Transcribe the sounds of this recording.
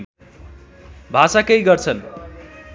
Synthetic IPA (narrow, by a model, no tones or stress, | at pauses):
bʱasakejɡʌrt͡sʰʌn